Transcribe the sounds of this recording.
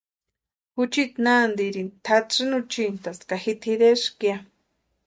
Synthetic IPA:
hut͡ʃit̪nand̪iɾint̪ʰaʈ͡ʂɨnut͡ʃint̪askahit̪ʰiɾeʂkja

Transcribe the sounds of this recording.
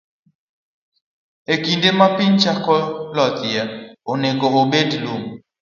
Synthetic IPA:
ekindemapɪnt͡ʃakɔlɔt̪jaoneɡoobedlum

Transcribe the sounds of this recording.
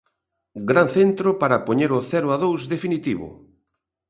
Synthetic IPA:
ɡɾanθent̪ɾopaɾɐpoɲeɾʊθɛɾʊaðowzðefinit̪iβʊ̰

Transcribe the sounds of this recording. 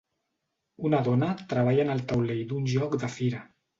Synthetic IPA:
unəðɔnət̪ɾəβ̞aʎənəlˠt̪awlejd̪unʒɔkd̪əfiɾə

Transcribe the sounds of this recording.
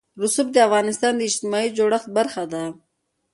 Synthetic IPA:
ɾʊsʊb̚d̪eafɣɑːnɪst̪ɑːnd̪eɪd͡ʒt̪ɪmɑid͡ʒoɽaxt̪̚baɾxad̪a

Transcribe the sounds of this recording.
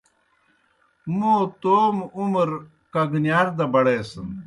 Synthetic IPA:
mũːt̪oːmumɾ | kɐɡnjaːɾd̪ɐbɐɽeːsɐn

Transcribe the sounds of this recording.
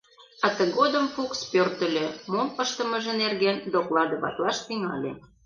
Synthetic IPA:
ɑt̪əɣod̪əmfukspørt̪ə̆lʲømoməʃt̪ə̆məʒə̆nerɣend̪oklɑd̪ə̆βɑ̰t̪lɑʃt̪iŋɑ̰lʲe

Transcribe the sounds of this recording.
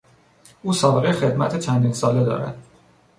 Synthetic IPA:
uːsɒːbɣexed̪mæt̪ʰet͡ʃʰænd̪insɒːled̪ɒ̰ːɾæ̰d̪̥

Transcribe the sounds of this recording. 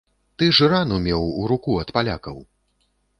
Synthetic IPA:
t̪ɨʐɨɾanumʲɛwuɾukuɐt̪palʲa̰kɐw

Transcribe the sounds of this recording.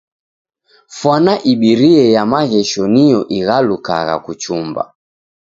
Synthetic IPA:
fwanaʔiɓiɾiɛjamaɣɛʃɔnijɔʔiɣaluka̰ɣa̰kut͡ʃumba̰

